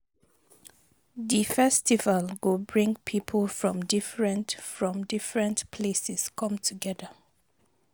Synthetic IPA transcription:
ðifɛstivəlɡobɹĩŋpʰipʰəlfɹɔ̃mdɪfɹə̃ntfɹɔ̃mdɪfɹə̃ntpʰlesɛskʰʌ̃mtʰəɡɛðə

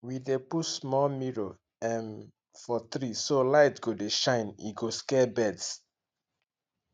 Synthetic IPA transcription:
widepusmɔmiɹo | ɛ̃n | fɔtɹisolaɪtɡodeʃãɪ̃nḭɡoskɛbɛds

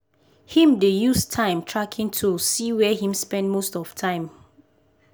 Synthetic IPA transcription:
hĩmdejustʰãɪ̃mtʰɹakʰĩŋtʰusiwɛhĩmspɛ̃ndmostɔftʰãɪ̃m

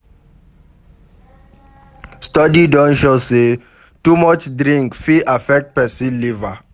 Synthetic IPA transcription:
stɔdidɔ̃nʃose | tumɔt͡ʃdɹĩŋkfiʔafɛk̚t̚pɛsiliva

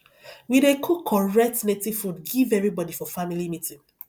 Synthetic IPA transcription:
widekʰukʰːɔɹɛk̚tnetifudɡivɛvɹibɔdifɔfamilimitĩŋ

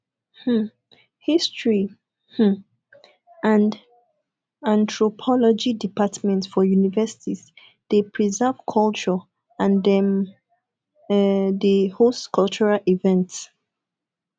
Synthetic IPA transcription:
h̩ | histɹi | h̩ | ãnd | ãntʰɹɔpʰɔlɔd͡ʒidipʰatmɛ̃ntsfɔjunivɛsi̥tʰiz | d̥epʰɹizɛv̥kʰɔlt͡ʃɔ | ãndɛm | dəhostkʰɔlt͡ʃuɹalivɛ̃nts

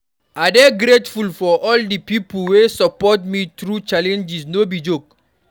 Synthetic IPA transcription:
adeɡɾetfulfɔʔɔldipipulwesəpɔtmitɾut͡ʃalɛ̃nd͡ʒisnobid͡ʒok

